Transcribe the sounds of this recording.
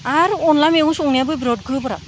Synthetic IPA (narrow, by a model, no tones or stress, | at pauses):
aɾɔnlameũsɔŋnijabojbɾɔd̚kʰujpɔɾa̰